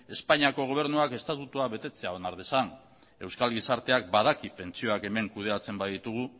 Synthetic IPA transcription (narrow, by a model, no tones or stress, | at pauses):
e̞spaɲiako̞ɣ̞o̞β̞e̞ɾnuake̞st̪at̪ut̪uaβe̞t̪e̞t͡se̞ao̞naɾðesan | e̞wskalɣisaɾt̪e̞ak̚bað̞akipe̞nt͡sio̞ake̞me̞ŋkuð̞eat͡se̞mbajðit̪uɣ̞u